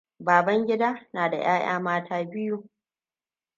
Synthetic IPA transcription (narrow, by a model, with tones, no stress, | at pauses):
baː˨bɐ˦ŋɡʲɪ˦daː˦naː˨da˨j̰aː˦j̰a̰ː˦maː˦tʰaː˦bɪ˦juː˦